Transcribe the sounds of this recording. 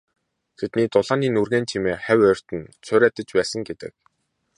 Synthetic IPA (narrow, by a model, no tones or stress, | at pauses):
t̪ʰet̪niːt̪ʊɮaːniːnurɣeːnt͡ɕʰimeːχæwœr̥ʲt̪ɘ̆nt͡sʰʊːɾæːt̪ə̆t͡ɕpæːsə̆ŋɡet̪ɘ̰̆k̚